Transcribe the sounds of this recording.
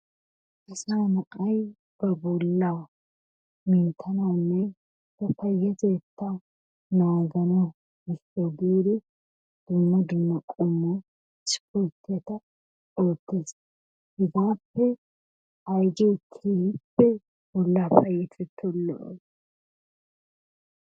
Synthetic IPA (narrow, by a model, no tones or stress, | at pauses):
ɪsaːnɐʔʼɐj | b̥ɐbɔlːaː | mɪnt̪ʰːɐnɐwnːɛ | hɐfɐjːɐteːt̪ʰːa | nɐwaɡɐnɐ | ɪtːoɡiːd̪ɪ | d̪̥ʊmːɐd̪ʊmːɐkʼʊmːɔ | t͡ʃɪ̥kːʊt̪ːɛt̪ɐ | oːt̪ːeːs | hɪɡaːpːɛ | ɐjd͡ʒɛtʰːipːɛ | bɔlːaːfɐjɛt̪ʰɛt̪ʰːɔlːɔ̰ʔɔ̰j